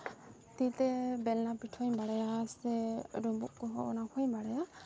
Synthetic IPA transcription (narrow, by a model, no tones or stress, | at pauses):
t̪it̪ɛbɛlnapiʈʰɔjbaɽajasɛɾɔbṵʔ̚kɔɦɔɔ̰nakʰɔjbaɽaja